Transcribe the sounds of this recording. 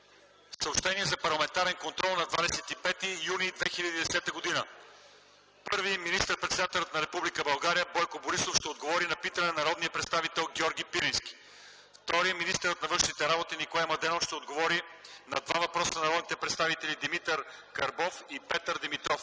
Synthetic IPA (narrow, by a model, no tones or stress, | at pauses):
ssəopʃt̪ɛniɛzɐpɐɾlˠɐmɛnt̪aɾɛnkont̪ɾɔlˠnɐd̪vad̪ɛsɛt̪ipɛt̪ijunid̪vɛxilʲəd̪id̪ɛsɛt̪əɡod̪inə | pɤɾviminist̪əɾpɾɛt̪sɛd̪at̪ɛlʲət̪nɐɾɛpublikəbɐlˠɡaɾijəbɔjkoboɾisofʃt̪ɛod̪ɡovɔɾinɐpit̪ənɛnɐɾɔd̪nijəpɾɛt̪st̪avit̪ɛlˠɡʲɔɾɡʲipiɾinskʲi̥ | ft̪ɔɾiəminist̪əɾət̪nɐvɤnʃnit̪ɛɾabot̪inikoamɐd̪ɛnofʃt̪ɛod̪ɡovɔɾinɐd̪va̰vɐpɾɔsɐnɐɾɔd̪nit̪ɛpɾɛt̪st̪avit̪ɛlʲid̪imit̪əɾkɐɾbɔfipɛt̪əɾd̪imit̪ɾɔf